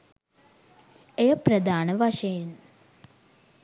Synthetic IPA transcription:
ejəprɐd̪aːnəʋaʂɐjin

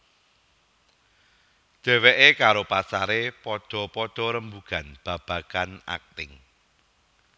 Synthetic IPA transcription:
dʒ̥ɛ̤weʔekaɾopasaɾepɔɖ̥ɔ̤pɔɖ̥ɔ̤ɾəmbuɡ̥a̤nb̥ä̤b̥a̤kana̰k̚t̪ɪŋ

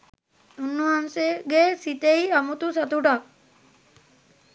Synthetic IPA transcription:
unːuɦanseɡesit̪eiamut̪usat̪uʈak̚

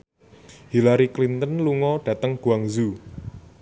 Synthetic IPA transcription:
hilaɾiklint̪ənluŋɔɖ̥ä̤t̪əŋɡ̥ṳaŋzu

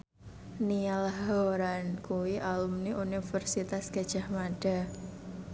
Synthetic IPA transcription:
nialahɦoɾankuwiʔalumniʔunifərsit̪asɡ̥a̤d̥ʒ̥ahmaɖ̥a̤

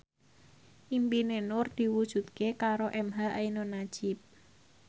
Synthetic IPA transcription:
ʔimpinenʊrd̪̥i̤wud̥ʒ̥ṳt̪̚kekaɾoʔɛmɦaʔainonḁʒ̥ɪp̚

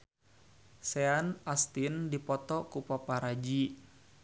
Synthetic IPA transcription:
sɛanʔast̪indipɔt̪ɔkupapaɾad͡ʒi

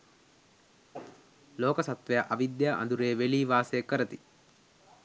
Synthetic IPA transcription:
loːkɐsɐt̪ʋejaʔɐʋid̪jaʔɐ̰nd̪uɾeːʋeliːʋaːsejekːəɾət̪i̥

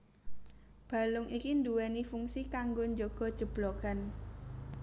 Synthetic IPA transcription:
b̥a̤lʊŋʔikind̪uwɛnifuŋsikaŋɡoɲd͡ʒoɡ̥ɔ̤d̥ʒ̥ə̤b̥loɡ̥an

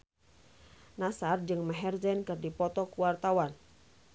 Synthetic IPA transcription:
nasard͡ʒɨŋmaɦɛrzɛnkɨrdipɔt̪ɔkuwart̪awan

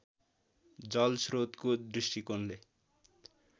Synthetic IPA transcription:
d͡zɔlsɾot̪kod̪ɾisʈikonle

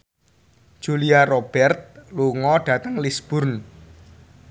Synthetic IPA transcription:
ʒ̥uliarob̥ɛrt̪̚luŋɔɖ̥ä̤t̪əŋlisb̥ʊ̤rn

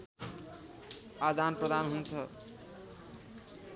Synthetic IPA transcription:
ad̪anprʌd̪anɦunt͡sʰʌ

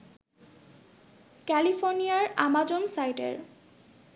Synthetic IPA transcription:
kɛlipʰoɹnijaɹamad͡ʑonsajʈḛɹ

